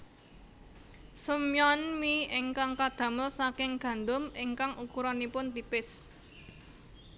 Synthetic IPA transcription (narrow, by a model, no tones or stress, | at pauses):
səmjɔnmiɪŋkaŋkad̪̥a̤məlsakɪŋɡ̥ä̤nd̪ʊmɪŋkaŋukuɾɔnipʊnt̪ipɪs